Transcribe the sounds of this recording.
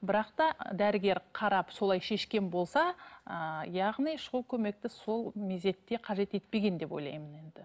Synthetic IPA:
bɪɾɑqt̪ɑd̪æɾɪɡʲe̞ɾqʰɑɾɑpso̞lˠɑjʃe̞ʃkʲe̞nbo̞lˠsɑəjɑʁnijʃolˠkʲʰɵme̞k̚t̪ɪso̞lˠmeze̞t̪ːe̞qʰɑʒe̞t̪e̞t̪̚pe̞ɡʲe̞nd̪e̞po̞jlˠɑ̰jməne̞nd̪̥ɪ

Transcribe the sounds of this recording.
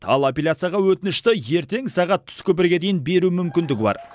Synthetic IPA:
ɑ̰lˠapʲelʲat̪sɨjaʁɑwɵt̪ɪnɪʃt̪ɪje̞ɾt̪e̞ŋsɑʁɑt̪ʰːʏ̥skʲʰɵp̬ɪɾɡʲe̞d̪e̞jɪnbe̞ɾumʏmkʲɪnd̪ɪɡʲɪbɑ̰ɾ

